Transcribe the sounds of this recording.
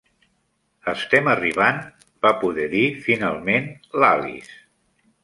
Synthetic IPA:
əst̪ɛməriβ̞an | b̥apuðɛðifinalˠmenlalḭs

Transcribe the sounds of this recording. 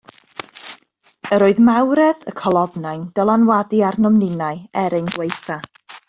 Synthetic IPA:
əɾoːɨðmawɾɛðəkʰɔlˠɔvnajnd̥ɔlˠanwadiarnɔmnɪnaɨɛɾejnɡwejθa

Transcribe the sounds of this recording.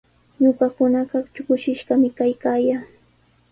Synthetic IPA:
ɲʊɢɑkʊnɑɢɑt͡ʃʊkʊʃɪʃɢɑmɪkajkaːjaː

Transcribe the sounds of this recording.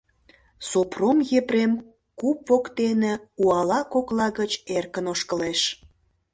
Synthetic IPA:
sopromjepɾem | kupːokt̪enĕuɑlɑkoklɑɣət͡ɕerkənoʃkəleʃ

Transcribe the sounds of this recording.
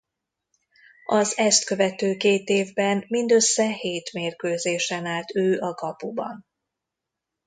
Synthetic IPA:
ɒzɛst̪kø̞vɛt̪øːkeːt̪eːvbɛnmind̪ø̞sːɛheːt̪meːrkøːzeːʃɛnaːlt̪øːʔɒɡɒpubɒ̰n

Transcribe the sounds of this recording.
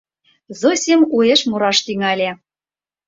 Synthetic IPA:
zosʲemueʃmoɾɑʃt̪yŋælʲe

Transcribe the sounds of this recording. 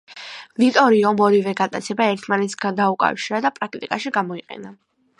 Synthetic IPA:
vit̪ʼɔɾiɔmɔɾivɛɡat̪ʼat̪sʰɛbaɛɾt̪ʰmanɛt̪sʰɡad̪aukʼa̰fʃiɾad̪apʼɾak̚t̪ʼḭkʼaʃiɡamɔiqʼɛ̰na

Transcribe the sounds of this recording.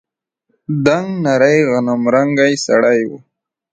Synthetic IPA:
d̪aŋɡnaɾajɣanamɾaŋɡajsa̰ɽajwṵ

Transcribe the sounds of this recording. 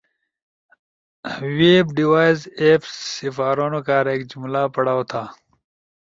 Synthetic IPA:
weːbɖiwaːjzepsifaːɾoːnokaːɾeːkd͡ʑumlaːpɐɽaːwot̪ʰaː

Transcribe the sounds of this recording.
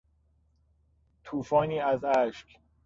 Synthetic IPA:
t̪ʰuːfɒːniːæzæʃk

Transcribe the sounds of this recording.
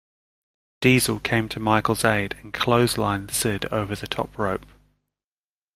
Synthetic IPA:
d̥iːzəlˠkʰẽɪ̃mtʰəmaɪkəlˠzeɪdə̃nkʰl̥əʊzlã̰ɪ̃nsɪdə̰ʊvəðətʰɒ̰pʰɹəʊp

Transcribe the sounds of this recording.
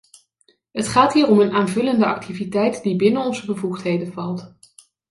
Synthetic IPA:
ɦətχaːtɦiːrɔmənaːnvɵləndəɑ̰k̚tʰivitɛjtdibɪnənɔnzəbəvuχtɦejdəvɑlˠt

